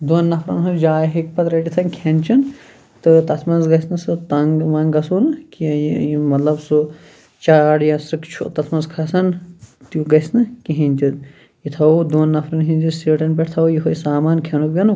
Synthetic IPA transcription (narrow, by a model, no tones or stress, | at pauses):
d̪unːɐfʰɾɐ̰nɦud͡ʒaːjɦik̚pɐt̪ɾɐʈit̪ʰɐnkʲʰent͡ʃin | t̪ɨt̪ɐt̪ʰmɐnzɡɐsnɨsɨt̪ɐŋʋɐŋɡɐsunkijmɐt̪lɐbsu | t͡ʃaːɽjɐsɾɨkt͡ʃʰṵt̪ɐt̪ʰmɐnzkʰɐsɐnt̪uɡɐsnɨkiɦinʲt̪ʲid̪ | jit̪ʰɐd̪unːɐfʰɾɐnɦĩnʲt̪isiːʈɐnpeʈʰt̪ʰɐwjiɦojsaːmaːnkʲʰenubjɐn